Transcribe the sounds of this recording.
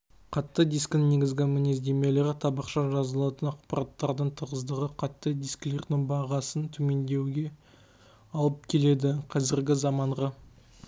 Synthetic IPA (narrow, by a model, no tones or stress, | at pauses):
qʰɑt̪ːəd̪ijsk̪ɪne̞ɡʲɪzɡʲɪmɪnezd̪e̞me̞leɾɪt̪ʰɑbɑqʃɑʒɑzəlˠɑt̪ənɑqpɑɾɑt̪ːɑɾd̪əɴt̪ʰəʁəzd̪əʁəqʰɑt̪ːəd̪ijskle̞ɾd̪ɪŋbɑʁɑsənt̪ʰʏme̞nd̪e̞wɡʲe̞ | ɑlˠəp̚kʲʰe̞le̞d̪ɪqʰɑzɪɾɡʲɪzɑmɑɴʁɑ